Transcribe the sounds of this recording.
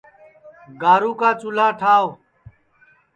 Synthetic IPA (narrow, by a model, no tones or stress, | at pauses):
ɡaːɾũːkaːt͡ʃʊlãːʈʰaːo